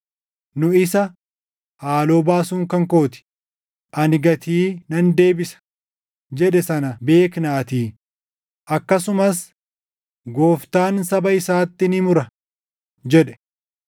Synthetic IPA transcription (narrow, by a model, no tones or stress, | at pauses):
nʊɪsɐ | haːlo̞ːbaːsuːŋkɐŋko̞ːt̪ɪ̥ | ʔɐnɪɡɐt̪ʰiːnɐnd̪e̞ːbɪsɐ̥ | d͡ʒɛᶑɛsɐnɐbe̞ːknaːt̪iː | ʔɐkːɐsʊmɐs | ɡoːft̪aːnsɐbɐɪsaːt̪ːɪnɪmʊɾɐ | d͡ʒɛᶑɛ̥